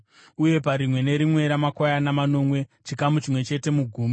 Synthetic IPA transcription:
uje̞paɾimwe̞ne̞ɾimwe̞ɾamakwajanamano̞mwe̞t͡ʃikamut͡ʃimwe̞t͡ʃe̞te̞muɡʱuːmi

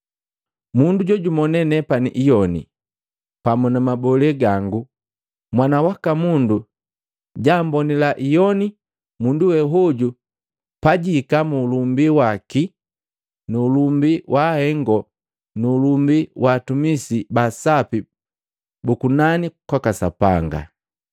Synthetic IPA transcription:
munduɟɔɟumɔnɛnɛpanḭʔijɔnḭ | pamunamabɔlɛɡaŋɡu | mwanawakamundu | ɟaːmbɔnilaʔijɔni | munduwɛɦɔɟu | paɟikamuːlumbiwaki | nuːlumbiwʔahɛŋɡɔ | nuːlumbiwʔaːtumisibasapi | bukunanikwakasa̰paŋɡa̰

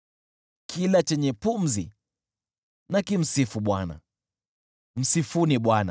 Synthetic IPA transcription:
kʰilat͡ʃɛɲɛpum̩zḭ | nakim̩sifuɓwana̰ | m̩sifuniɓwana̰

